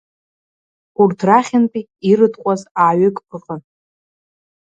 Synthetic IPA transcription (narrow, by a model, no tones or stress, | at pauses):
urtʰraχʲɪnpʼi | irɨdʰʼqʷʼazaːɥɪkʼpʰɨqʼən